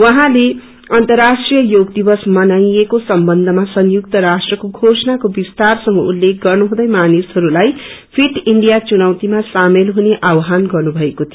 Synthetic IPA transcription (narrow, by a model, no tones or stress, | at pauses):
wʌɦãle | ʌnt̪ʌrasʈrijʌjoɡd̪ibʌsmʌnajekosʌmbʌnd̪ʱʌmasʌnjuk̚t̪ʌɾasʈrʌkoɡʱosʌnakobist̪arsʌŋɡʌulːek̚ɡʌrnuɦũd̪ʌjmanishʌɾulaj | pʰiʈiɳɖijat͡sunawt̪imasamelɦuneʔawɦanɡʌrnubʱʌekot̪ʰio